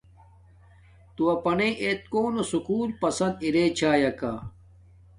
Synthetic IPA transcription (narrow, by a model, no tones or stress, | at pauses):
t̪uɐpɐneʔet̪̚koːnosukuːlpɐsɐnd̪iɾeːt͡ɕʰaːjɐka